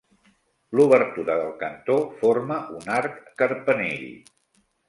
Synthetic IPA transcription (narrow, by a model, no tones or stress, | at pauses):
luβəɾt̪uɾəðəlˠkənt̪oforməʔunaɾkːəɾpənḛʎ